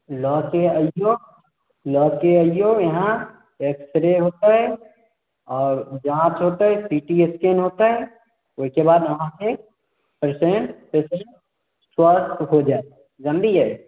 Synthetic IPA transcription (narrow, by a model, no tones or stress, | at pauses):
lɔːkeəjoː | lɔːkeəjojɐɦã | eːksɾeɦoːt̪aɦɛ | ɔːɾd͡ʒãːt͡ʃɦoːt̪aɦɛsiːʈieskenɦoːt̪aɦɛ | ʊskebaːd̪ɐɦãke | pəɾseɳʈpesẽɳʈ | swəɾt̪ɦod͡ʒaːe | d͡ʒɐ̃mb̪iɦɛe